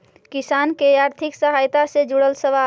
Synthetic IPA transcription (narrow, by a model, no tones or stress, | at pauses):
kisankeaɾt̪ʰiksəɦajt̪asẽd͡ʒuɽəlsəʋa